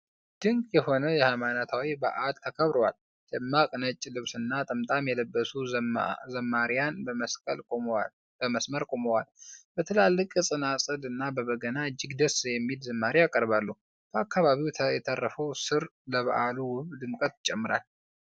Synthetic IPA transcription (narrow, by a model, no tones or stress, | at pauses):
d̪̥ɨŋkjɛho̞nəjɛhajmanat̪ʰawibə̰ʔad̪t̪ʰəkʰəβɾowal | d̪ɛmːakʼɨnət͡ʃʼːlɨβsɨnːat̪ʼɨmt̪ʼamjɛləbːəsuzəmːaɾijanbməskʼə̰lʼ | b̥əməsməɾkʼoməwalbət̪ʰɨlalːɨkʼɨsʼɨnasʼɨlɨnːabəβəɡənaɨd͡ʒːɪɡd̪əsjɛmːilzɨmːaɾijakʼəɾbalːuh | bʰəakːaβaβiwʰjɛt̪ʰərːəfəwsɨɾləβa̰ʔaluwʊβd̪ɨmkʼət̪t͡ʃʼɛmːɨɾa̰l